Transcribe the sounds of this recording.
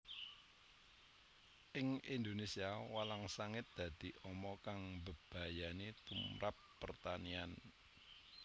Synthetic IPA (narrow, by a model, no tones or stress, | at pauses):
ʔɪŋind̪onesiawalaŋsaŋɪt̪̚d̪̥ä̤d̪̥i̤ʔɔmɔkaŋbəb̥a̤janet̪umɾapːərt̪anian